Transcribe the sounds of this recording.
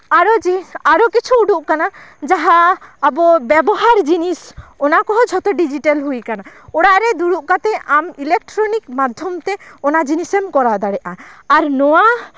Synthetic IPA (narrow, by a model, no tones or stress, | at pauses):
aɾɔd͡ʒiaɾɔkit͡ʃʰuːɖuʔkanad͡ʒaɦaːbɔbɛbɔɦaɾd͡ʒinisɔnakɔɦɔd͡ʒʱɔt̪ɔɖid͡ʒiʈalɦujkanaɔɽaʔɾɛd̪uɽuʔkat̪ɛʔamilek̚ʈɾɔnikmad̪ʱjɔmt̪eɔnad͡ʒinisemkɔɾad̪aɽɛʔaːɾnɔwa